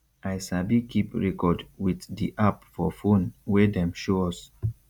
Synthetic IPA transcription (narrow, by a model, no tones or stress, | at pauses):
ajsabikʰipɹɛkɔdwiθdiʔapfɔfõnwɛdɛ̃mʃoɔs